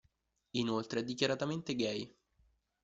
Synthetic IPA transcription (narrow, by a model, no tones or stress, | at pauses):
inolt̪ɾeɛd̪ːikʲjaɾat̪ament̪eɡɛj